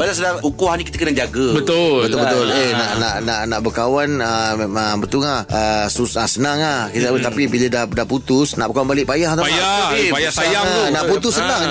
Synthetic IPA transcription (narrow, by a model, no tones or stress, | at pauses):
balasədarukuhanĩkit̪əkənad͡ʒaɡəbət̪ʊbət̪ʊlbət̪ʊlenaʔnaʔnaʔnaʔbəkawanəemaŋbət̪uŋahəsusasənaŋahkit̪əabət̪apibilədahdahput̪ʊsna̰ʔbəkawanbalɪʔpajaht̪ajaaipajasajaŋəunaʔput̪ʊsːənãŋ